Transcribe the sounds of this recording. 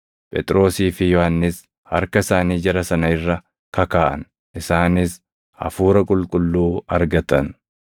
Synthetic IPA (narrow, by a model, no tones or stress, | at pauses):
pʼɛt̪ʼɾo̞ːsiːfɪjɔhɐnːɪs | hɐɾkɐɪsaːniːd͡ʒɐɾɐsɐnɐɪrːɐ | kɐkaːʔɐ̰n | ʔɪsaːnɪs | hɐ̰fuːɾɐkʼʊlkʼʊlːuːɐɾɡɐt̪ɐn